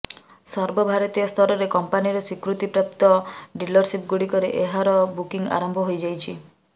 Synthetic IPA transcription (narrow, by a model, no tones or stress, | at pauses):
sɔɾbɔbʱaɾɔt̪ijɔst̪ʰɔɾɔɾekɔmpaniɾɔsikɾut̪ipɾap̚t̪ɔɖilɔɾsip̚ɡuɽikɔɾeʔeɦaɾɔbukiŋa̰ɾɔmbʱɔɦojd͡ʒajt͡ʃʰi